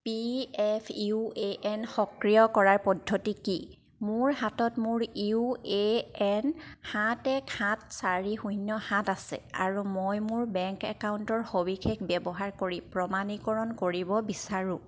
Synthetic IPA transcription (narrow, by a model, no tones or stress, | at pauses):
piɛpʰueʔɛnxɔkɹijɔkɔɹaɹpɔdʱːotiki | mʊɹɦatɔtmʊɹiueɛnhãtɛkʰãt̚saɹixujnːɔhãtasɛ̰a̰ɹumojmʊɹbɛŋkɛ̰kawuntɔɹxobixʰekbɛbɔɦaɹkoɹipɹɔmanikɔɹɔnkoɹibɔbisaɹũ